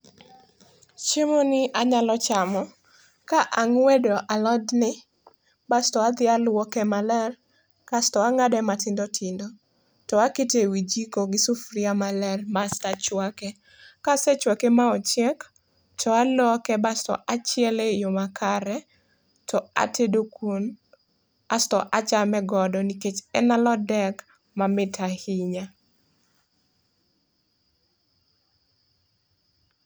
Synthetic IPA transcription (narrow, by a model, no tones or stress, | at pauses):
t͡ʃɪmonɪʔaɲalɔt͡ʃamɔ | kaʔaŋwedoʔalɔdnɪ | bastɔad̪ɪalwɔkɛmalɛr | kastɔaŋadɛmatɪndotʰɪndo | tɔakɪtewid͡ʒikoɡɪsufɾiamalɛrmastat͡ʃwakɛ | kasɛt͡ʃwakemaɔt͡ʃjɛk | tʰɔalɔkɛbastɔ̰ʔat͡ʃɪɛlejomakʰaɾɛ | tʰɔa̰tʰedokun | astɔʔat͡ʃamɛɡɔdɔniket͡ʃɛnalɔdɛk | mamɪtʰahiɲa